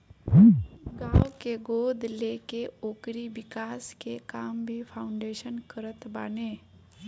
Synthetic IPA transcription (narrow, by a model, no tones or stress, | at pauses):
ɡaːwkeɡoːd̪ʱleːkeoːkɾiʋɪkaːskekaːmbʱipʰaːʊɳɖeːʃənkəɾət̪baːneː